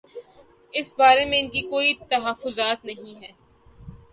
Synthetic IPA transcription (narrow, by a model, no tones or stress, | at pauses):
ɪsbaːɾemẽɪnkikoːit̪ɐɦafːʊzaːt̪nɐɦĩɦɛː